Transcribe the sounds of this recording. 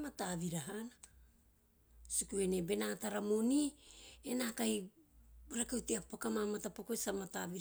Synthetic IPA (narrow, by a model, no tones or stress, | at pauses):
mataviɾaɦana | sukuenebe̞nataɾamunienakaj | ɾakewteapakamamatapokoisamataviɾ